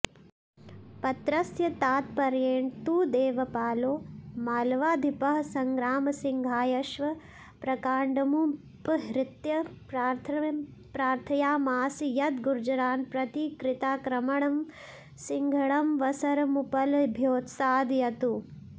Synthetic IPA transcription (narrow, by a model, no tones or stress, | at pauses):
pɐt̪ɾɐsjɐt̪aːt̪̚pɐɾjeːɳt̪uːd̪eːʋɐpaːloːmaːlʋaːd̪ʱipɐɦɐsɐŋɡɾaːmɐsiŋɡʱaːjɐʃʋɐ | pɾɐkaːɳɖɐmu | pɦɾɪt̪jɐpɾaːɾt̪ʰpɾaːɾt̪ʰɐjaːmaːsijɐt̪ɡuɾd͡ʒɐɾaːnpɾɐt̪ikɾɪt̪aːkɾɐmɐɳɐm | siŋɡʱɐɳɐmʋɐsɐɾɐmupɐlbʱjoːt̪saːd̪jɐt̪u